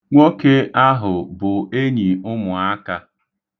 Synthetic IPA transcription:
ŋʷo˦ke˦a˦ɦʊ˨bʊ˨e˦ɲi˨ʊ˦mʊ˨a˦ka˦

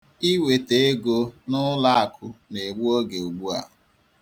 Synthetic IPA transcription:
i˦we˨te˨e˦ɡo˦nʊ˦la˦a˨kʰʊ˨ne˨ɡ͡bu˦o˦ɡe˨u˨ɡ͡bu˦a̰˨

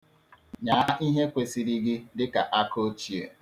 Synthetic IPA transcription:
ɲaː˨˦ʔi˦ɦe˦kʷe˨si˦ɾi˦ɡɪ˦dɪ˦ka˨ʔa˦ko˦t͡ʃi˨ḛ˨

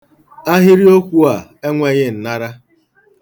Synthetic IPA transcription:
a˦ɦɪ˦ɾi˦o˦kʷu˦a˨e˦ŋʷe˨ɲɪ˦n̩˨na˦ɾa˦

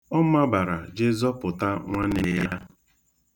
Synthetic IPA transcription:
ɔ˦ma˦ba˨ɾa˨d͡ʒe˦zɔ˦pʊ˨ta˦ŋʷa˦ne˨ja˦

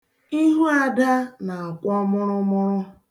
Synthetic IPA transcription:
i˦ɦu˦a˨da˦na˨a˨kʷɔ˦mʊ˦ɾʊ˦mʊ˦ɾʊ˦

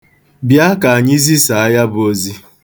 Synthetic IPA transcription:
bja˦ka˨a˨ɲɪ˦zi˦sa˨a˦ja˦bʊ˨o˦zi˦

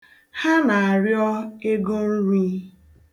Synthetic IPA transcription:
ha˦na˨a˨ɾjɔ˦e˦ɡo˦n̩˦ɾi˦

